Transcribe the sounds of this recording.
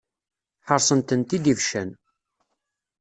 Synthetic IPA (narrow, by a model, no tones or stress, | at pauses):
ħəɾsˤənt̪ənt̪id̪ivʃæn